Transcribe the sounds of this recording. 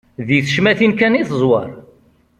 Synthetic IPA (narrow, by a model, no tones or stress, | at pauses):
ðiθə̥ʃmæθinkæniθəzˤwɑ̰ɾˤ